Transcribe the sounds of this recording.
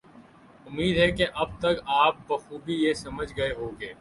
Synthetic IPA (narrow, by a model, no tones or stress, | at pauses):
ʊmːiːd̪ɦɛkeʔɐb̚t̪ɐkaːp̚bɐxuːbijesɐməd͡ʒɡɐeɦoːɡeː